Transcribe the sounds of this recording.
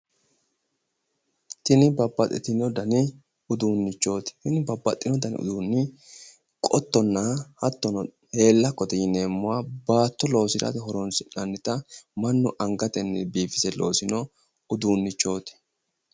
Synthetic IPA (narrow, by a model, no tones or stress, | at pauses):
t̪ɪnɪbɐbːɐt̪ʼːɛ̰t̪ɪnɔd̪ɐnɪ | ʊd̪uːnːɪt͡ʃːo̞ːt̪ɪ̥hɪnɪbɐbːɐt̪ʼːɪnɔd̪ɐnɪ̰ʊ̰d̪uːnːɪ | kʼɔt̪ːɔnːɐhɐt̪ːɔnɔ | he̞ːlːɐkːɔt̪ɛjɪne̞ːmːʊwabaːt̪ːɔlo̞ːsɪd̪ɐ̰t̪ɪɦɔɾɔnsɪnɐnːɪt̪ɐmɐnːʊʔɐŋɡɐt̪ɛnːɪ̰biːfɪsɛlo̞̰ːsɪnɔ | ʊd̪uːnːɪt͡ʃːo̞ːt̪ɪ̥